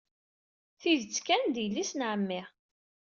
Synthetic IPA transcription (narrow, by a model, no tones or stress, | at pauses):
θiðət͡sːkænd̪jəlːisnʕəmːɪʁ